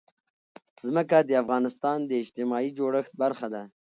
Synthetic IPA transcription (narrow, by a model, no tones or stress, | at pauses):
zməkad̪əafɣɑːnɪst̪ɑːnd̪əɪd͡ʒt̪ɪmɑid͡ʒoɽəxt̪̚baɾxad̪a